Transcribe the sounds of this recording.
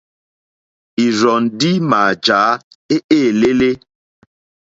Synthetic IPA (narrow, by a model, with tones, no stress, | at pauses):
i˨ɾɔ˨ndi˦maː˨d͡ʒa˨˦ | e˦ʔeː˦˨le˦le˦